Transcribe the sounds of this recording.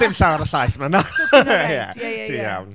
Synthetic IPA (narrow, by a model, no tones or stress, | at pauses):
ɪmɬawaɾəɬajsmanajɛ̰d̥ija̰wn